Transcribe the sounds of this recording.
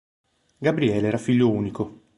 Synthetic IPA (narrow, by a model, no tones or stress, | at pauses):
ɡabɾiɛːleɛːɾafiʎːouːniko